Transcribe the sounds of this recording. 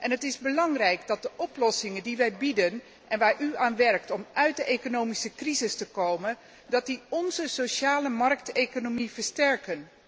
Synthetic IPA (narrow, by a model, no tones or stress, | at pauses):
ʔɛnɦətɪzbəlɑŋrɛjkdɑt̚dəʔɔplɔsɪŋəndiʋɛjbidən | ʔɛnʋaːɹʔyaːnʋɛɹktɔmʔœɥt̚dəʔejkonowmisəkrizɪstəkowmən | dɑt̚diɔnzəsowʃaːləmɑrk̚tejkonomivəɹstɛrkən